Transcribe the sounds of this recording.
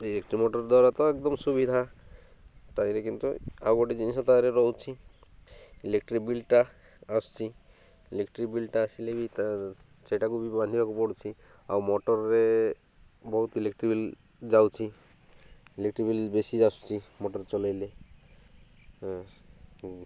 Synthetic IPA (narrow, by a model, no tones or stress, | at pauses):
ilekʈɾimɔʈɔɾd̪ɔɾat̪ɔɛk̚d̪ɔmsubid̪ʱa | t̪ajɾekint̪ṵa̰wɡɔʈid͡ʒinisɔt̪ajɾeɾɔwt͡ʃʰi | ilek̚ʈɾibilʈa | ast͡ʃʰi | ilekʈɾibilʈaasileɡit̪a | sejʈakubibãnd̪ʱibakupɔɽt͡ʃʰi | a̰wmɔʈɔɾːe | bɔɦut̪ilekʈɾibil | d͡ʒawt͡ʃʰi | ilekʈɾibilbesiast͡ʃʰimɔʈɔɾet͡ʃɔlajle